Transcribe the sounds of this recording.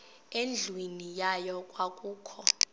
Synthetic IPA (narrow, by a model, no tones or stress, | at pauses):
end͡ɮʱwinijajɔkʼwakʼuːkʰɔ